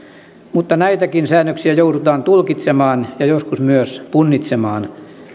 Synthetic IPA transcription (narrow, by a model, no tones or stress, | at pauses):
mut̪ːɑnæit̪ækinsæːnːøksiæjouɾut̪ɑːnt̪ulkit̪semɑːnjɑjoskusmyøspunːit̪semɑːn